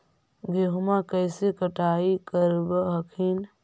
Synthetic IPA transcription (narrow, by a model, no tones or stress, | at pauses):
ɡeɦʊmakəjsekəʈaːikəɾbəɦəkʰin